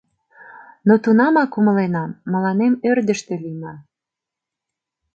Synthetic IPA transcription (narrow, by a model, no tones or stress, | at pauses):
not̪unɑmɑkumə̆lenɑmːə̆lɑnemørd̪əʃt̪ĕlinɑ